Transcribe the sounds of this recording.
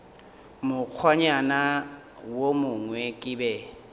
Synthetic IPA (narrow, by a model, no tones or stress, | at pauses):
mʊk͡xʰwaɲana | womʊŋwɛkʼɪbɛ